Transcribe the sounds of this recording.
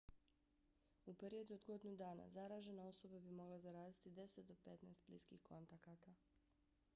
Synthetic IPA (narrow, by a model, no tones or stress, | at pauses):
upe̞ɾio̞d̪uo̞d̪ɡo̞d̪inud̪aːna̰zaɾaːʒe̞nao̞so̞babimo̞ɡlˠazaɾaːzit̪id̪e̞set̪̚d̪o̞pe̞t̪naːst̪̚bliːskḭxkʰo̞nt̪akat̪a